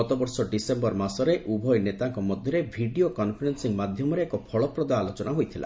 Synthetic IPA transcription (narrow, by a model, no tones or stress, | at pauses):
ɔt̪ɔbɔɾsɔɖisembɔɾmasɔɾeʔʔubʱɔjnet̪aŋkɔmɔd̪ʱjɔɾebʱiɖiokɔnpʰɔɾensiŋmad̪ʱjɔmɔɾeːkɔpʰɔɭɔpɾɔd̪aːlot͡ʃɔnaɦojt̪ʰila̰